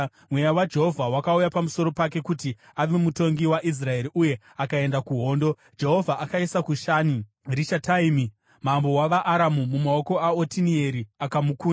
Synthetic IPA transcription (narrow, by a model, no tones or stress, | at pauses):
mwe̞jawad͡ʒe̞ɦo̞vʱawakaujapamuso̞ɾo̞pake̞kuti | aʋe̞muto̞ŋɡiwaʔis̬rae̞ɾiʔuje̞ | akae̞ndakuɦo̞ːndo̞ | d͡ʒe̞ɦo̞vʱaʔakaisakuʃaːni | riʃataimi | mambo̞waʋaʔːɾamumumao̞ko̞aotinie̞ɾiakamukuːna